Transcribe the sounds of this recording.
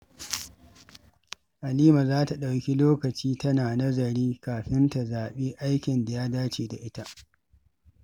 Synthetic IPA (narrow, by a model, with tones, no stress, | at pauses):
ʔa˨liː˦ma˨zaː˦ta˨ɗa˨wkʲi˦loː˦kɐ˨t͡ʃiː˦tɐ˦naː˨nɐ˦zɐ˨ɾiː˦kaː˨ɸɪ˦nta˨zaː˨ɓeː˦ʔa˦jkʲɪ˨nda˨jaː˦daː˦t͡ʃeː˨da˨ʔɪ˦ta˦ʔ